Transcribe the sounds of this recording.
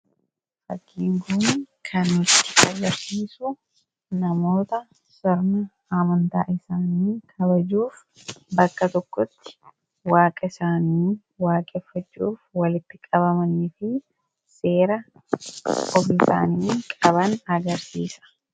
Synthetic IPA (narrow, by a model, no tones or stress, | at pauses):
fɐkːiːŋɡuːn | kʰɐnɪt̪ːɪ̥ʔɐɡɐɾsiːsʊ | nɐmo̞ːt̪ɐ | sɔɾnɐ | amɐnt̪a̰ːʔɪsaːniːkʰɐbɐd͡ʒuːf | bɐkːɐt̪ɔkːɔt̪ːɪ̥ | waːkʼɐɪsaːniː | waːkʼɛfːɐt͡ʃːuːfwɐlɪt̪ːɪkʼɐβɐmɐnɪfɪ | se̞ːɾɐ | kɔfɪsa̰ːniːkʼɐβɐnɐɡɐɾsiːsɐ̥